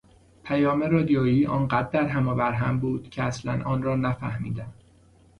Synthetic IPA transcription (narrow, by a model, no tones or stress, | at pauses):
pʰæjɒːmeɾɒːd̪ijɒːjiːʔɒːnɢæd̪̚ːæɾɦæmɒːbæɾɦæmbuːd̪̥cʰeæslænʔɒːnrɒːnæfæ̰hmḭːd̪æm